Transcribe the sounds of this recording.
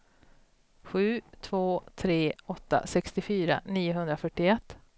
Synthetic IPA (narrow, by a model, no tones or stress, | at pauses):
ɧʉ̟ːt̪ʰvoːt̪ʰɾeːɔt̪ːa̰sɛkst̪ɪfyːɾa̰niːʊɦɵnd̪ɾafœʈːɪɛt̪ː